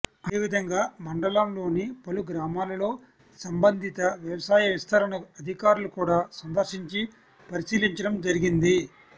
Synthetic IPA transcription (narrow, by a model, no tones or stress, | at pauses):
ɐeːʋid̪ʱɐŋɡaːmɐɳɖɐlamlo̞ːnipɐluɡɾaːmaːlɐlo̞ː | sɐmbɐnd̪ʱit̪ɐʋjɐʋɐsaːjɐʋist̪ʰɐɾɐnɐɐd̪ʱikaːɾulukuːɽaːsɐnd̪ɐɾʂiɲt͡ʃi | pɐɾisiːliɲt͡ʃɐɽɐmd͡ʒɐɾiɡind̪i